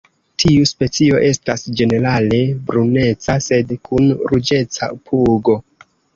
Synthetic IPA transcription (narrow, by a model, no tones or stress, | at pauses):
tʰiuspe̞t͡sio̞ʔe̞stasd͡ʒe̞ne̞ɾale̞bɾune̞t͡sase̞dkʰunɾud͡ʒe̞t͡sa̰pʰuɡo̞